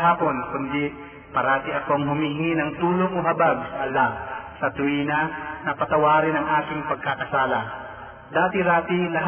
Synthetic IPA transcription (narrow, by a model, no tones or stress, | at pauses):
ɦaːponkʊnd̪ɪ | pɐɾaːt̪ɪʔɐkoɐŋɦʊmihɪŋɪnɐŋt̪uːloŋoɦɐbaɡ̚sɐʔɐlːasɐt̪ʊiːnɐnɐpɐt̪ɐwaːɾɪnɐŋʔaːkɪŋpɐɡ̚kakɐsaːla | d̪aːt̪ɪɾaːt̪ɪlɐɦ